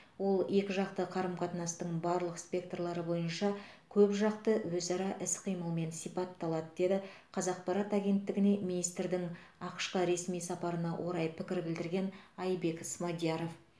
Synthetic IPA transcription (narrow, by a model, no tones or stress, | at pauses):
wo̞lˠe̞kʲɪʒɑqt̪əqʰɑɾəmqʰɑt̪nɑst̪əɴbɑɾlˠəqspʲe̞k̚t̪orlˠɑɾəbo̞jənʃɑkʲʰɵpʒɑqt̪əwɵzɑɾɑʔɪsqʰijməlˠme̞nsijpɑt̪ːɑlˠɑd̪əd̪e̞d̪ɪqʰɑzɑq̚pʰɑɾɑt̪ɑɡʲe̞nt̪ːɪɡʲɪne̞minijst̪ɾd̪ɪŋ | ɑqʃqəɾe̞smijsɑpɑɾənɑwʔo̞ɾɑjpʰɪkʲɪɾbɪld̪ɪɾɡʲe̞nɑjbe̞ksmɑd̪ijɑɾo̞f